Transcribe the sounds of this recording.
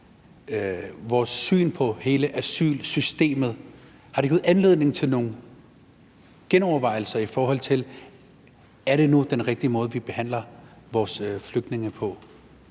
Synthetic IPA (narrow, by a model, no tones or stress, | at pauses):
ʋɒːsːy̰ːnpʰɒ̽he̝ːləʔæsy̰ːlsysd̥e̝̰ːmð̩ˠ | hɑ̈ɾeɡ̥iːð̩ˠænle̝ð̞̰ˠne̝ŋt͡sʰe̝lno̝ːn̩ | ɡ̥enɒʊɐʋɑ̈ɪ̰l̩sɐifɒːɦɒ̽l̰t͡sʰe̝l | æɐɾ̥e̝nud̥enʁeɡ̥̚d̥iəmɔ̽ːð̞ˠʋib̥e̝hæn̰lɐʋɒːsfløɡ̥̚d̥ne̝ŋəpʰɒ̽